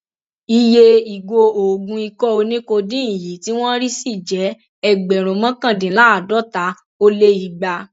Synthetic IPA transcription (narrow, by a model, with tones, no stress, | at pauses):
i˧je˧i˨ɡo˧o˨ɡũ˧i˧kɔ˦o˧nĩ˦ko˧dĩ˦ĩ˦˨ji˨˦ti˦w̃ɔ̃˦ɾi˦si˦˨d͡ʒɛ˨˦ | ɛ˧˨ɡ͡bɛ˨ɾ̃ũ˨˧mã˦kã˦˨dĩ˨˦la˨˦a˨dɔ˨˦ta˨˦ | o˧le˧i˨ɡ͡ba˧